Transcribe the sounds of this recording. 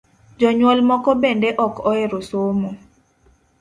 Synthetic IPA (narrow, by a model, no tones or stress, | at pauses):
d͡ʒɔɲwɔlmɔkɔbendeʔɔkɔeɾosomo